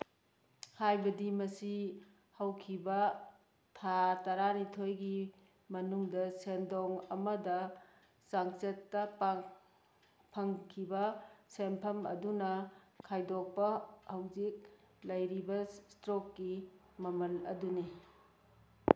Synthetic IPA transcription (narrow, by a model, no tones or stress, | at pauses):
hajbɐdimɐsi | hɐwkʰibɐ | tʰatɐɾanitʰojɡi | mɐnuŋdɐsendoŋɐmɐdɐ | saŋsetːɐp | pʰɐŋkʰibɐsempʰɐmɐ̰dunɐkʰajdok̚pɐhɐwzik̚ | lɐjɾibɐsstɾokːi | mɐmɐlɐ̰duni